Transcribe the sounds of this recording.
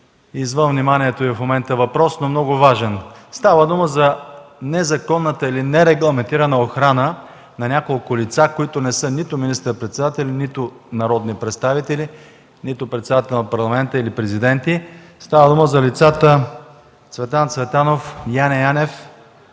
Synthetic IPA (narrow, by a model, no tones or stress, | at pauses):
izvənvnimanʲiɛt̪oifmomɛnt̪əvɐpɾɔsnomnɔɡʊvaʒɛnst̪avəd̪uməzɐnɛzɐkɔnːət̪əilinɛɾɛɡlˠɐmɛnt̪iɾɐnəoxɾanə | nɐnʲakolˠkʊlit̪sakoit̪ʊnɛsɤnit̪ʊminist̪əɾpɾɛt̪sɛd̪at̪ɛlinit̪ʊ | nɐɾɔd̪nipɾɛt̪st̪avit̪ɛli | nit̪ʊpɾɛt̪sɛd̪at̪ɛlnɐpɐɾlˠɐmɛnt̪əilipɾɛzid̪ɛnt̪ist̪avəd̪uməzɐlit̪sat̪ə | t̪svɛt̪ant̪svɛt̪anofjanʲɛjanɛf